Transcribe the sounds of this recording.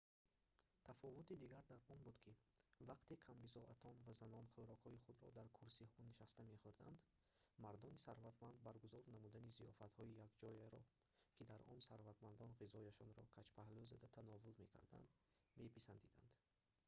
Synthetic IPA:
t̪ʰafɔvut̪id̪iɡaɾd̪aɾɔnbud̪kʰivaqt̪e̞kʰambizɔʔat̪ʰɔnvazanɔnχuɾɔkhɔiχud̪ɾɔ̰d̪aɾkʰuɾsihɔniʃast̪ame̞χuɾd̪and̪ | maɾd̪ɔnisaɾvat̪mand̪̚baɾɡuzɔɾnamud̪anizijɔfat̪hɔijakd͡ʒɔjeɾɔ | kʰid̪aɾɔ̰nsaɾvat̪mand̪ɔnʁizɔjaʃɔnɾɔkʰat͡ʃpʰahluzad̪at̪ʰanɔvulme̞kʰa̰ɾd̪a̰nd̪ | me̞pisand̪id̪a̰nd̪̥

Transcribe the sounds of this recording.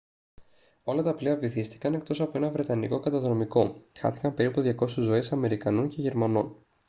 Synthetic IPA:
o̞lɐt̪ɐpliɐviθist̪i̥kɐnek̚t̪o̞sɐpoe̞nɐvɾe̞t̪ɐniko̞kɐt̪ɐðɾo̞miko̞xɐ̰θi̥kɐmpe̞ɾipuðʝɐko̞suzːo̞esɐme̞ɾikɐnoɲce̞ʝe̞ɾmɐno̞n

